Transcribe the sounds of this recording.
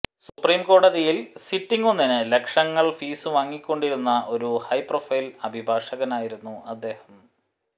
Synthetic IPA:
supriːmko̞ːɽɐðijilsitːiŋɡonːinɨle̞kʂɐŋːɐɭfiːsɨʋaːŋːikʲːo̞ɳɖiɾunːɐʔo̞ɾuhɐjpro̞fɐjlɐbʱibʱaːʂɐɣɐnaːjiɾunːuʔɐd̪ːe̞ːhɐm

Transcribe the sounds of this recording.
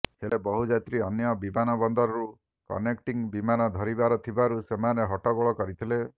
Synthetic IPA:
ɦelebɔɦud͡ʒat̪ɾiɔnjɔbimanɔbɔnd̪ɔɾɔɾu | kɔ̰nek̚ʈiŋbimanɔd̪ʱɔɾibaɾɔt̪ʰibaɾusemaneɦɔʈɔɡɔɭɔkɔɾit̪ʰile

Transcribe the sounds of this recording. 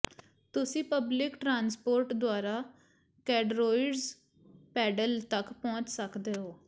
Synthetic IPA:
t̪ʊsĩːpəblɪkʈɾaːnspoːɾʈd̪oaːɾaː | kɛːɖɾoːɪɖz | pɛːɖəlt̪əkpɔ̃ːɲt͡ʃsəkd̪eːɦoː

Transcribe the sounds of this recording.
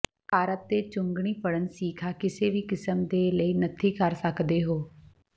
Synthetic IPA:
paːɾət̪̚d̪eːt͡ʃʊŋɡɳ̃iːpəɽənsiːkʰaːkɪseːʋiːkɪsəmd̪eːləiːnət̪ʰiːkəɾsəkd̪eːɦoː

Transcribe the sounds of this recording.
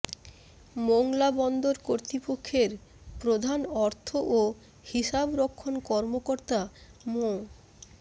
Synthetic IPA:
moŋlabɔnd̪oɾkoɾt̪ipokʰːeɾpɾod̪ʱanɔɾt̪ʰoʔo | hiʃabɾokʰːonkɔɾmokoɾt̪amo

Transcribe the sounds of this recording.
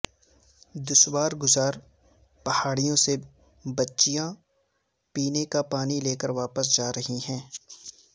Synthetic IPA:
d̪ʊʃwaːɾɡʊzaːɾ | pɐhaːɽijõse | bɐtːʃijã | piːnekapaːnileːkəɾʋaːpəs̬d͡ʒaːɾɐɦiɦɛ̃ː

